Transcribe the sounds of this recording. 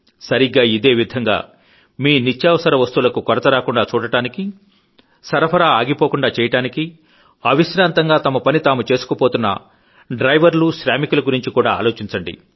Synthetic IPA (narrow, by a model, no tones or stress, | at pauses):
sɐɾiɡaːid̪e̞ːʋid̪ʱɐŋɡa̰ː | miːnit͡ʃːjaːʋɐsɐɾɐʋɐst̪uːlɐkukɔɾɐt̪ɐɾaːkuɳɖaːt͡ʃuːɽɐʈaːniki | sɐɾɐpʰɐɾaːaːɡipo̞ːkuɳɖaːt͡ʃɛːjɐʈaːniki | ɐʋiʃɾaːnt̪ɐŋɡaːt̪ɐmɐpɐnit̪aːmut͡ʃe̞ːsu̥kɐpo̞ːt̪unːɐ̰ | ɖɾɐjʋɐɾluʃɾaːmikulɐɡuɾiɲt͡ʃikuːɽaːaːlo̞ːt͡ʃiɲt͡ʃɐɳɖḭ